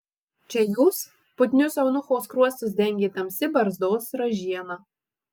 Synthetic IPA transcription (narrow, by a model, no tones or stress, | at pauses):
t͡ʃʲɛjuːs | pʊt̪ʲnʲʊsɐʊnʊxoːskɾuɔst̪ʊsd̪ʲɛŋʲɡʲiːt̪ɐmsʲɪbɐɾzd̪oːsɾɔʒʲiɛnɐ